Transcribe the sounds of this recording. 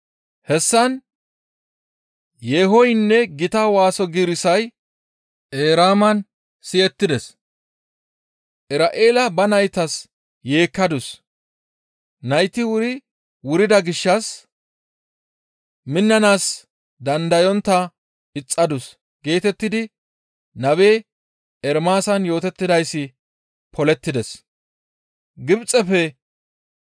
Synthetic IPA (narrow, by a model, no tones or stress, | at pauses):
hɛsːɐn | jeːɦɔjɪnːɛɡɪt̪ɐwaːsɔɡiɾɪsɐj | ʔeːɾaːmɐn | sɪɛt̪ːɪd̪ɛs | ʔɪɾaːʔe̞ːlɐbɐnɐjt̪ɐs | je̞ːkːɐd̪ʊs | nɐjt̪ɪwʊɾɪ | wʊɾɪd̪ɐɡɪʃːɐs | mɪnːɐnaːs | d̪ɐnd̪ɐjɔnt̪ːɐ | ɪt͡sʼːɐd̪ʊs | ɡe̞ːt̪ɛt̪ːɪd̪ɪ | nɐβe̞ː | ɛɾmaːsɐnjo̞ːt̪ɛt̪ːɪd̪ɐjsːɪ | pʰɔlɛt̪ːɪd̪ɛs | ɡɪbt͡sʼɛfɛ